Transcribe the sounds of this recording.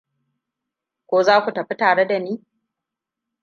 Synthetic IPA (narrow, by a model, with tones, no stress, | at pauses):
kʷoː˦zaː˦kʷu˨tɐ˨ɸi˦taː˨ɽe˦da˨niː˦